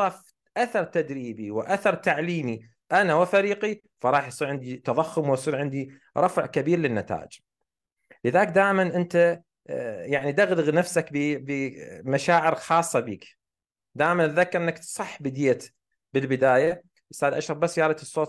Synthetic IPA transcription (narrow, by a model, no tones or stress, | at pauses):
ɑf | ʔaθɑɾˤt̪ad̪ɾiːbiwɪʔaθɑɾˤt̪aʕliːmi | ʔanawɪfaɾiːqi | fɑɾˤɑːħjsˤiːɾʕɪnd̪it̪ɑðˤɑxːʊmwɪjsˤiːɾʕɪnd̪i | ɾˤɑfʕkabiːɾlɪnːat̪a̰ːʔɪd͡ʒ | lɪðaːk̚d̪aːʔmanʔɪnt̪a | jaʕnid̪aɣlɪɣnafsakbbmaʃaːʕɪɾxɑːsˤːɑbiːk | d̪aːʔɪmanðakːɪʔɪnːakt̪sˤɑħːbɪd̪jat̪ | bɪlbɪd̪aːja | ʔʊst̪aːd̪ʔaʃɾˤɑfbasːjɑːɾˤɑt̪sˤːoːt̪